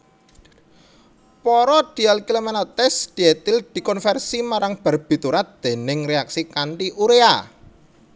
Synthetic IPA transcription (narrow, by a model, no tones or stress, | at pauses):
pɔɾɔd̪̥i̤alkilomanɔt̪ɛsd̪̥i̤et̪ɪld̪̥i̤kɔnfɛrsimaɾaŋb̥ə̤rb̥i̤t̪uɾat̪̚d̪̥e̤nɪŋreaksikaɳʈiʔuɾea